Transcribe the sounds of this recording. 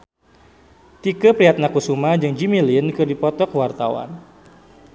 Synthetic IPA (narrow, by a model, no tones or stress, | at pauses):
t̪ikəpɾiat̪̚nakusumahd͡ʒɨŋd͡ʒimilinkɨrdipɔt̪ɔkwart̪awa̰n